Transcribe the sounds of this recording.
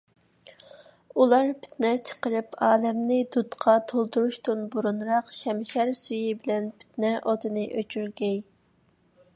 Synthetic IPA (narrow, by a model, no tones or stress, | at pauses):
ulˠɑɾpʰɪ̥t̪nɛt͡ʃʰə̥qəɾɨpʰɑːlɛmnɪd̪ut̪qʰɑt̪ʰolˠd̪uɾuʃt̪unbuɾunɾɑqʃɛmʃæɾsyjɪbɪlɛnpʰɪ̥t̪nɛʔod̪ɨnɨʔøt͡ʃʰyɾɡʲɛj